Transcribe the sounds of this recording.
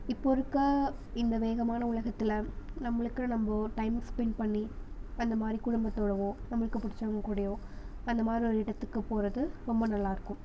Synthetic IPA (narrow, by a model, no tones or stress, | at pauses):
ɪpːoɾɯkːɐɪnd̪ɐʋeːɣɐmaːnɐʊlɐɣɐt̪ːɪlɐnɐmːɐɭɯkːɯnɐmbɐʈɐɪmspɛɳɖ̚pɐɳːiɐnd̪ɐmaːd̪ɾikʊɽʊmbɐt̪ːoːɽɐʋõːnɐmːɐɭɯkːɯpːʊɽɪt͡ʃːɐʋɐŋkuːɽɐjoːɐnd̪ɐmaːd̪ɾiɔɾɯɪɽɐt̪ːɯkːɯpoːɾɐðɯɾɔmbɐnɐlːaːɪɾɯkːɯm